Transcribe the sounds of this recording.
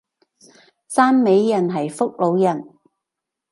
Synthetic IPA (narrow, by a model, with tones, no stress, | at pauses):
saː˥nme˨˧jːɐ˨˩nɦɐ˨˩jfʊ˥k̚lo˨˧wjɐ˨˩n